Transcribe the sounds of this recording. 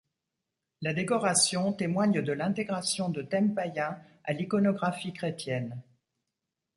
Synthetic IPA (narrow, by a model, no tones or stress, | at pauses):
lad̪ekɔʁasjɔ̃t̪emwaɲd̪əlɛ̃t̪eɡʁasjɔ̃d̪ət̪ɛmpajɛ̃ | a̰likɔnɔɡʁafikχet̪jɛn